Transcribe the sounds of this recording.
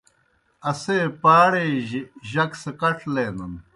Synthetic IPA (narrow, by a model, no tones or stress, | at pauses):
ɐseːpaːɽeːʑɐksekɐʈʰleːnun